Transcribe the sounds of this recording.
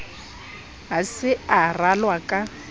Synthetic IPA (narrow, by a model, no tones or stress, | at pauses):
ɦasɪaralwakʼa